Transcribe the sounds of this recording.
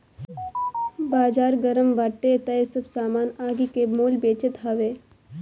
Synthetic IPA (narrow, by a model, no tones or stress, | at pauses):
baːd͡ʒaːɾɡɐɾəmʋaːʈːet̪ɐesɐbsaːmaːnaːɡikemoːlbeːt͡ʃɪt̪ɦɐʋeː